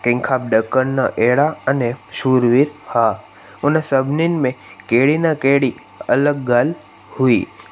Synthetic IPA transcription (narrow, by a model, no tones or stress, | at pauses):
kɪ̃ŋkʰaːp̚ɖəkːənnaʔeɽaəneʃuːɾʋiɾha | ʊnasəbʱninmẽkeɽinakeɽi | ələɡ̚ːal | hui